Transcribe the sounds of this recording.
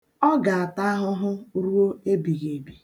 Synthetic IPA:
ɔ˦ɡa˨a˨ta˦ɦʊ˦ɦʊ˦ɾu˦o˦e˦bi˨ɣe˨bi˨

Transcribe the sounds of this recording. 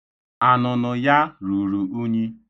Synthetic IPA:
a˨nʊ˨nʊ˨ja˦ɾu˨ɾu˨u˦ɲi˦

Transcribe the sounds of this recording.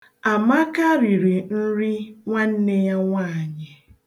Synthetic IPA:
a˨ma˦ka˦ɾi˨ɾi˨n̩˦ɾi˦ŋʷa˦n̩˦ne˦ja˦ŋʷa˦˨ɲɪ˨

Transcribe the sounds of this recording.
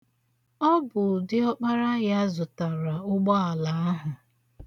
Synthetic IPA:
ɔ˦bʊ˨dɪ˦ɔ˦k͡pa˦ɾa˦ja˦zʊ˨ta˨ɾa˨ʊ˦ɡ͡bɔ˦a˨la˨a˦ɦʊ˨

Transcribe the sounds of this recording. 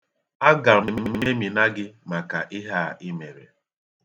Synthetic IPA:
a˦ɡa˨me˨me˨me˨me˨˦me˦mi˨na˦ɡɪ˦ma˨ka̰˨ʔɪ˦ɦa˦˨ʔɪ˦me˨ɾḛ˨

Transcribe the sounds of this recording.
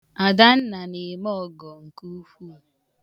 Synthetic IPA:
a˨da˦n̩˦na˨ni˨mɔ˦˨ɡɔ˨ŋ̩˨ku˦fu˦˨

